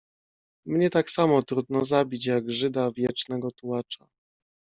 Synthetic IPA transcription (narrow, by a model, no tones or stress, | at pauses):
mɲɛt̪aksamɔt̪ɾud̪nɔzabʲit͡ɕjaɡʐɘd̪avʲjɛt͡ʂnɛɡɔt̪uwat͡ʂa